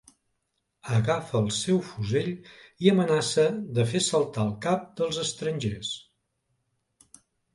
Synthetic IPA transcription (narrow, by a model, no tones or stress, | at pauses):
əɣafəːlˠsɛwfuzeʎiəmənasəðəfesəlˠt̪aəlˠkap̚d̪əlˠzəst̪ɾənʲʒes